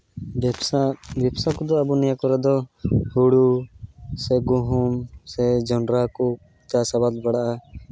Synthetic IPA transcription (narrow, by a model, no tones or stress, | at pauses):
bɛpsakud̪ɔabunɛjakɔɾɛd̪ɔhuɽu | sɛɡuɦumsɛd͡ʒɔnɾaku | t̪asaβad̪baɽaʔa